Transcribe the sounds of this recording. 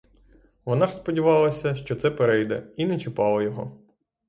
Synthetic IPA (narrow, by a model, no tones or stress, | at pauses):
ʋɔnɑʐspɔdʲiʋɑlˠɐsʲɐʃt͡ʃɔt̪sɛpeɾɛjd̪ɛ̰inɛt͡ʃɪpɑlˠɐjɔɦɔ̰